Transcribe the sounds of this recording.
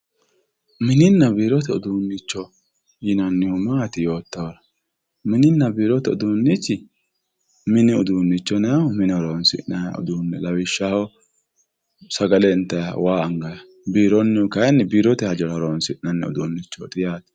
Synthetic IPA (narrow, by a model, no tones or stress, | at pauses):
mɪnɪnːɐbiːɾɔt̪ɛʊd̪uːnːɪt͡ʃːɔ | jɪnɐnːɪhʊmaːt̪ɪjo̞ːt̪ːɐwɾɐ | mɪnɪnːɐbiːɾɔt̪ɛʊ̰d̪uːnːɪt͡ʃːɪ | mɪnɪʊd̪uːnːɪt͡ʃːɔnɛhɔmɪnɪɔɾoːnsɪ̰nɐ̰ʊ̰d̪uːnːɛlɐwɪʃːaːhɔ | sɐɡɐlɛnt̪ːɐjɐwaːɐŋɡɐjɐ | biːɾɔnːɪʊkɐjnːɛbiːɾɔt̪ɛhɐd͡ʒɛɾɔɾonsɪnɐnːɛ̰ʊ̰d̪unːɪt͡ʃːɔt̪ɪjaːt̪